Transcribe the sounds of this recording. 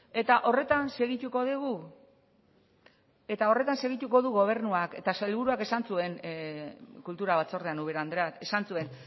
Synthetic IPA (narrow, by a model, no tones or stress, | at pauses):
e̞t̪aʔo̞re̞t̪anse̞ɣit̪uko̞ðeɣu | e̞t̪ao̞re̞t̪anse̞ɣ̞it̪uko̞ðuɣo̞β̞e̞ɾnuake̞̰t̪asalβuɾuake̞sansue̞n | kult̪uɾaβat͡so̞ɾðeanuβeɾand̪ɾet̪e̞sansue̞n